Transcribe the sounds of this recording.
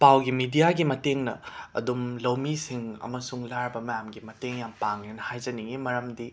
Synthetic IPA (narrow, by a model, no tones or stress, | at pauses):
pawɡimidijaɡimɐteŋnɐ̰ɐ̰dumlɐwmisiŋɐ̰mɐsuŋlaɾbɐmɐjamɡimɐteŋjampaŋlenɐhajd͡ʒɐniŋimɐɾɐmdi